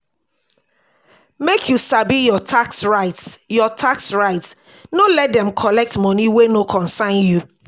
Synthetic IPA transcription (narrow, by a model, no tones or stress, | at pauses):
mekʰjusabijɔtʰaksɹaɪtsjɔtʰaksɹaɪts | nolɛt̚dɛ̃mkʰɔlɛk̚tmɔ̃niwenokʰɔ̃nsãɪ̃nju